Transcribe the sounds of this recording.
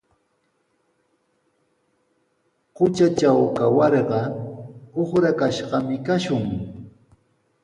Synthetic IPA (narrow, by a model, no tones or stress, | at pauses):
qʊt͡ʃat͡ʃawkawɑɾɢɑ | oχɾakaʃɢɑmɪkaʃʊŋ